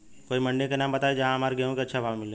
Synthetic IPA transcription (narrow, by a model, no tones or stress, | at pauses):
koːimɐ̃ɳɖẽkenaːmbɐt̪aːed͡ʒɐɦãɦɐmaːɾɡɛɦõkeɐtːʃʰabʱaːʋmɪlẽː